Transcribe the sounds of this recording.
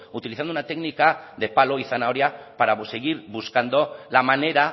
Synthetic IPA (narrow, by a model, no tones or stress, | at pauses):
ut̪iliθand̪ounat̪eɡnikaðe̞palo̞iθanaoɾjapaɾaseɣiɾβuskand̪o̞lamane̞ɾa